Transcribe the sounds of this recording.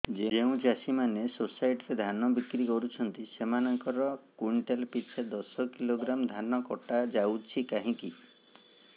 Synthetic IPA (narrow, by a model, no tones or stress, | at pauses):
d͡ʒed͡ʒeũd͡ʒasimanesosajʈɾed̪ʱanɔbikɾikɔɾut͡ʃʰɔnt̪isemanɔŋkɔɾɔkwiɳʈelpit͡ʃʰed̪ɔsɔkiloɡɾamd̪ʱanɔkɔʈad͡ʒawt͡ʃʰikaɦĩki